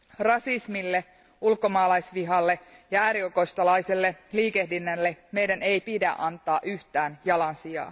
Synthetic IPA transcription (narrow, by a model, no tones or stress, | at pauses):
rɑsismilːe | ulko̞mɑːlɑjsʋiɦɑlːejɑæːɾioko̞st̪ɑlɑjselːe̞liːke̞hdinːelːeme̞jdænejpidæ̰ʔɑnt̪ˑɑːʔyht̪æːnjɑlɑnsijɑ̰ː